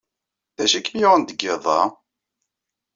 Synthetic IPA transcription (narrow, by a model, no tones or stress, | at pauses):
θæʃikːmjʁənd̪əɡːeðˤɑ̰